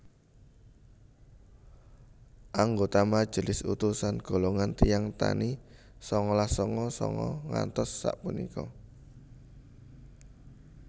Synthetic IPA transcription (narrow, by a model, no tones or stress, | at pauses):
ʔaŋɡot̪amad̥ʒ̥ə̤lɪsṵt̪usanɡ̥o̤loŋant̪ijaŋt̪a̰ni | sɔŋɔlahsɔŋɔsɔ̰ŋɔ̰ŋa̰nt̪ɔsːa̰ʔpunḭkɔ̰